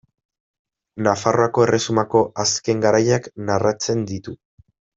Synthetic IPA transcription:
nafaro̞ako̞e̞re̞sumako̞ʔaske̞ŋɡaɾajaknarat͡se̞nd̪it̪u

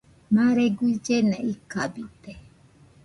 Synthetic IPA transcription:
mãɾeɡʷuid͡ʒenɛ̃ʔikabit̪e

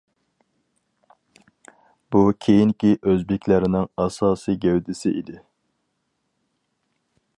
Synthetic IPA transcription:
b̥ukʲʰejiŋkʲiʔøzbɪkʲlæɾɪnɪŋɑsɑːsijɡʲɛwd̪ɪsɪʔid̪ɪ

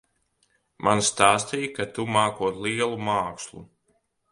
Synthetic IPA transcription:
mʔanst̪aːst̪ijkat̪umaːkuɔt̪liɛlˠumaːkslˠṵ

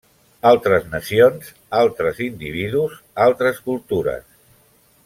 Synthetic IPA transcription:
alˠt̪ɾəznəsionz | alˠt̪ɾəzind̪iβ̞iðuz | alˠt̪ɾəskulˠt̪uɾə̰s

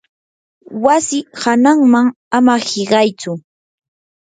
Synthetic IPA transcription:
wasɪhanaŋmaŋ | amahɪɢɑjt͡sʊ

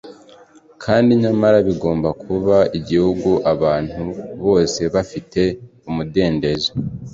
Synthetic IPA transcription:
kʰaːndiɲamaɾaβiɡo̞ːmbakʰuβaiɟihuɡuʔaβaːn̥huβo̞ːse̞βafite̞umude̞ːnde̞ze

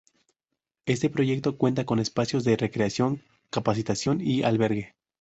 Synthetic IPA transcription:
e̞st̪e̞pɾo̞ʝe̞k̚t̪o̞kwe̞nt̪ako̞nespasjo̞zðe̞re̞kɾeasjo̞ŋ | kapas̬it̪asjo̞nia̰lβe̞ɾɣe̞

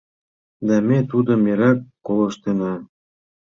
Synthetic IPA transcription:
d̪ɑmet̪ud̪ɤ̆meɾɑkːolɤ̆ʃt̪enɑ

